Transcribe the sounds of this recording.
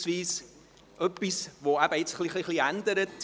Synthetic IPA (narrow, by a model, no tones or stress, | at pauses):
sviːs | əpisvɑːæpətsχliχliχliæntədət